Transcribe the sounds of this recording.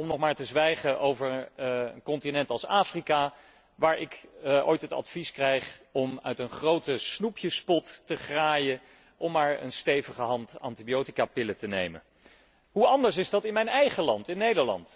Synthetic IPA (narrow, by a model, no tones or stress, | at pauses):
ɔmnɔχmaːɹtəzʋɛjχəʔowvəɹənkɔntinɛntɑlˠsaːfrika | ʋaːɹʔɪkʔo̰jtɦətɑ̰tfiskrɛjχɔmœ̰ɥtənχrowtəsnupjəspɔtːəχraːjə | ʔɔmːaːɹə̰nstejvəχəɦɑntɑ̰ntibijowtikaːpɪlətənejmə̰n | ɦuɑndəɹs̬ɪzdɑtɪnmɛjnɛjχəlɑntɪnːejdəɹlɑ̰nt